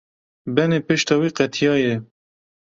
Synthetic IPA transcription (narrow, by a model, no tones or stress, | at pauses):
bɛneːpɨʃt̪ɑːwiːqɛt̪ʰijɑːjɛ